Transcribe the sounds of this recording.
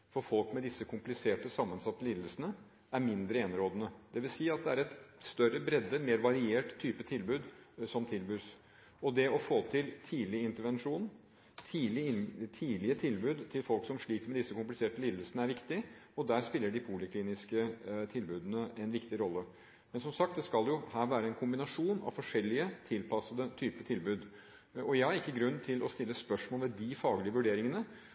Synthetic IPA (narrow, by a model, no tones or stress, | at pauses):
fɔɾfɔlkmɛd̪ɪsːəkʰʊmplɪseːʈəsɑmːənsɑt̪ːəliːd̪əl̩sənə | æɾmɪnd̪ɾəɛnɾoːd̪ənəd̪̥ɛʋɪlsiːɑt̪̚d̪ɛæɾɛt̪st̪œɾəbɾɛd̪əmeːɾʋɑɾɪeːʈt̪ʰːyːpət̪ʰɪlbʉːd̪sɔmt̪ʰɪlbʉːs | ɔd̪ɛɔfoːt̪ʰɪlt̪ʰiːlɪɪnt̪əɾʋɛnʂuːn | t̪ʰiːlɪt̪ʰiːlɪət̪ʰɪlbʉːd̪t̪ʰɪlfɔlksɔmʂɭiːk̪mɛd̪ɪsːəkʊmplɪseːʈəliːd̪əlsənəæɾʋɪkt̪ɪɔd̪æːɾspɪlːəɖɪpʰuːlɪkʰliːnɪskət̪ʰɪlbʉːd̪ənəʔɛnʋɪkt̪ɪɾɔlːə | mɛnsɔmsɑkt̪d̪ɛskɑljʊhæːɾʋæːɾəɛnkʰʊmbɪnɑʂuːnɑ̰ʋfɔʂɛlːɪət̪ʰɪlpʰɑsːəd̪ət̪ʰyːpət̪ʰɪlbʉːd̪ | ɔjæhɑɾɪkːəɡɾʉnːt̪ʰɪlʔɔst̪ɪlːəspœʂmɔːlmɛd̪ɪfɑːɡlɪəʋʉɖeːɾɪŋənə